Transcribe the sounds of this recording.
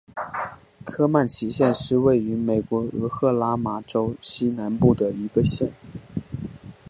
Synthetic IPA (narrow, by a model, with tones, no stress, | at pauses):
kʰɤ˥ma˥˩nt͡ɕʰi˧˥ɕjɛ˥˧nʂɻ̩˥˧we˥˩ɪy˧˥me˨˩ɪkwɔ˧˥ɤ˧˥xɤ˥˩la˥ma˨˩ʈ͡ʂo˥ʊɕi˥na˧˥npu˥˩d̪ə˩i˧˥ɡə˧ɕjɛ̰˥˩n